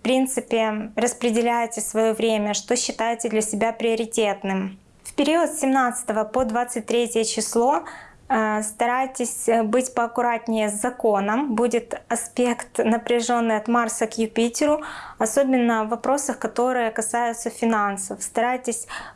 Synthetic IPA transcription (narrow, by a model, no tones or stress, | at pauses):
fpɾʲint̪sɨpʲɪrəspɾʲɪdʲɪlʲæjɪtʲɪsvɐjovɾʲemʲəʂt̪o̞ɕːɪt̪ajɪtʲɪd̪lʲɐsʲɪbʲapɾʲɪəɾʲɪtʲet̪nɨm | fpʲɪɾʲiot̪sʲɪmnat̪sɨ̥t̪əvəpod̪vat̪sɨt̚ʲt̪ɾʲetʲjət͡ɕɪslˠo̞ | st̪ɐɾajtʲɪsʲbɨtʲpəɐkʊɾatʲnʲɪjəzɐko̞nəmbudʲɪt̪ɐspʲe̞kt̪nəpɾʲɪʐo̞nːɨjɐt̪marsəkjʊpʲitʲɪɾʊɐsobʲɪnːəvːɐpɾo̞səxkɐt̪o̞ɾɨjəkɐsajʊt̪səfʲɪnansəfst̪ɐɾajtʲɪsʲ